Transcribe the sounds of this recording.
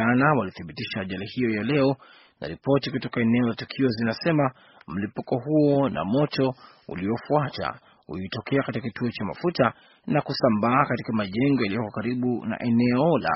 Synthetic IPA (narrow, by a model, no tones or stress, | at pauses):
anawaliθiɓitiʃaːʄalihijɔjalɛɔ | na̰ɾipɔtikutɔkaɛnɛɔlatukʰiɔzinasɛma | m̩lipukɔɦuɔna̰mɔtɔ | ṵliɔfuata̰ | ṵitɔkɛakatikakituɔt͡ʃama̰futa | nakusambaːkatikamaʄɛŋɡɔjalijɔkɔkaɾiɓuna̰ʔɛnɛɔla̰